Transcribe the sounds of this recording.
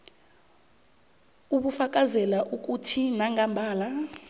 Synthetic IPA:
uɓufak̬ʼazɛlaʔuk̬ʼutʰinaŋambʱaːla

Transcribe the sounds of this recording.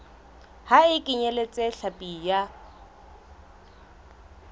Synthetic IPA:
haɪkʼɪɲelet͡sʼeɬapʼija

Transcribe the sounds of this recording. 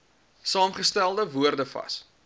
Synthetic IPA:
sɑːmχəstælˠdəvuərdəfɐ̰s

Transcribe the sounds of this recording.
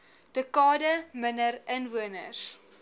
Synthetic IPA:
d̥əkɑːdəmənəɾənvuənəs

